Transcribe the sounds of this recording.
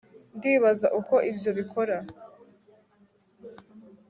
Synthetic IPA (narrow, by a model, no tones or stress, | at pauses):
ndiːβazaʔuko̞ʔibjo̞βikʰo̞ɾa